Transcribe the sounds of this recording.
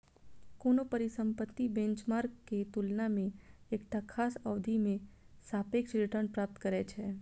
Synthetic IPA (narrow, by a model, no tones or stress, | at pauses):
koːnopəɾɪsə̃mpət̪ːibẽɲt͡ʃmaːɾkːet̪ulnamẽeːkʈ̪akʰaːsəʋd̪ʱimẽ | saːpeːkʃɾɪʈəɾnpɾaːp̚t̪kəɾɛt͡ʃʰɛː